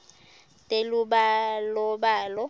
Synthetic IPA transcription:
tʼelubalɔbaːlɔ

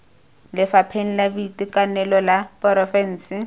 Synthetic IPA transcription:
lɪfapʰeŋ̩labitikʼanɛlɔlapʼɔɾɔfɛn̩ːsɪ

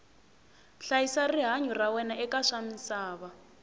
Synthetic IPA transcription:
ɬajisariɦaɲɔrawɛnaʔɛkaʂamisaːβa

